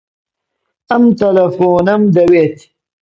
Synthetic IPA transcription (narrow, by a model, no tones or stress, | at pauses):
ɐmt̪ɐlɐfoːnɐmd̪ɐwet̪ʰi̥